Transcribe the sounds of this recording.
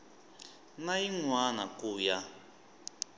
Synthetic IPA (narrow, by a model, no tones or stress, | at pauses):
naiŋwanakuːja